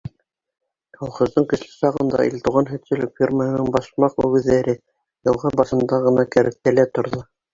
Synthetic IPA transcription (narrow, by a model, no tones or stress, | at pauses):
ɑlˠχŏzd̪ɤɴkɘ̆ʃlɘ̥sɑʁɤ̆nd̪ɑ̰ʔḭlʲt̪uʁɑnɦɵ̆t̪sɵ̆lɘk̚fʲirmənɤɴbɑʃmɑqʉɡɘ̆ðːæɾɘ | jɤ̆lˠʁɑnbɑsɤ̆nd̪ɑʁɤ̆nɑkæɾɘk̚t̪ælæt̪ŏɾðo